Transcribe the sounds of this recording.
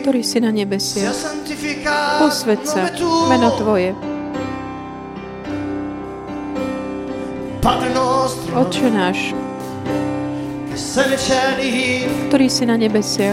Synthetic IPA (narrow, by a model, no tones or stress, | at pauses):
kt̪ɔɾiːsinaɲɛbɛsɪaaŋt̪ifikapɔsʋɛt̪sat̪umɛnɔt̪ʋɔjɛ | pad̪ɾɛnɔst̪ɾɔt̪ʒɛnaːʃ | ɛsɛnit͡ʃɛniɦikt̪ɔɾiːsinaɲɛbɛsɪa